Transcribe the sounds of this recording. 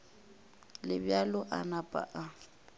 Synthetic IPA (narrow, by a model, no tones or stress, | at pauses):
lɪbjalʊʔanapʼa̰ʔa